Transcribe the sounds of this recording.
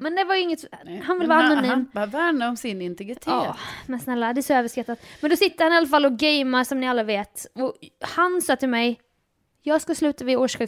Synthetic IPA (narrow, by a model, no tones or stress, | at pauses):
mɛnd̪ɛvajʏɪŋːət̪ɦanvɪlvɑːanːɛvæːɳaɔmsɪnɪnt̪ɛɡɾɪt̪ʰɑːmɛnsnɛlːad̪ɛsɔøːvəʂkat̪ːat̪mɛnd̪ɔsɪt̪ːəɾhanɪalːafalːɔɡɛjmaɾsɔmnɪalːaveːt̪ɔhansɑːt̪ʰɪlmɛj | jɑːɡskaslʉ̟ːt̪avɪoːʂkʉ